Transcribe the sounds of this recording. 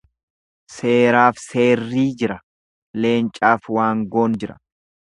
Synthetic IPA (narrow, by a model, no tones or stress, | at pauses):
se̞ːɾaːfse̞ːrːiːd͡ʒɪɾɐ | le̞ːnt͡ʃʼaːfwaːŋɡo̞ːnd͡ʒɪɾɐ̰̥